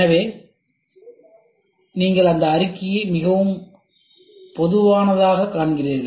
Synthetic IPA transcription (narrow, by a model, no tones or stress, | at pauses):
ɐʋeː | niːŋɡɐɭɐnd̪ɐːɾɪkːɪjɐɪmɪɣɐʋɯm | pɔðɯʋaːnɐðaːɣɐkːaːɳɡɪriːɾɣɐ